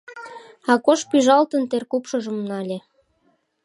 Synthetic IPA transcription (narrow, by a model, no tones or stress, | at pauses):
ɑkoʃpyʒɑlt̪ənt̪erkupʃɤʒə̆mnɑlʲe